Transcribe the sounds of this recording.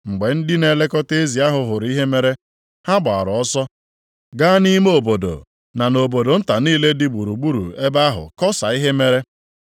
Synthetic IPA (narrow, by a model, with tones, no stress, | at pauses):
ŋ͡m̩˨ɡ͡be˨n̩˦dɪ˦ne˨le˦kɔ˦te˦zi˨a˦ɦʊ˨ɦʊ˨ɾi˦ɦe˦me˦ɾe˦ | ha˦ba˨a˨ɾʊ˨ɔ˦sɔ˦ | ɡa˦ni˦m˦o˨bo˨do̰˨ | na˨no˨bo˨do˨n̩˦ta˨niː˦le˦dɪ˦ɡ͡bu˨ɾu˨ɡ͡bu˦ɾṵ˨e˦ba˦ɦʊ̰˨kɔ˦sa˨i˦ɦe˦me˦ɾe˦